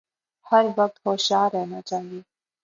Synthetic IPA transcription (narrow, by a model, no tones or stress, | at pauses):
hɐɾʋɐk̚t̪hoːʃaːɾɛɦnat͡ʃaːɦɡeː